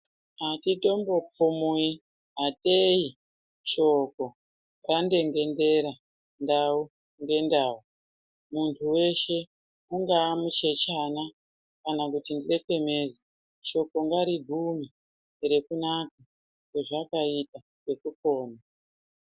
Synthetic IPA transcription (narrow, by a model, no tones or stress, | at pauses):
ɦatito̞mbo̞p͡fumui | ɦatei | t͡ʃo̞ko̞ | rande̞ŋɡe̞nde̞ɾa | ndau | ŋɡe̞ndau | muntʰuwe̞ʃe̞ | uŋɡaːmut͡ʃe̞t͡ʃana | kanak̬utindireke̞me̞za | t͡ʃo̞ko̞ŋɡaɾibʱumi | re̞kunaka | ke̞ʐakaita | ke̞kuko̞ːna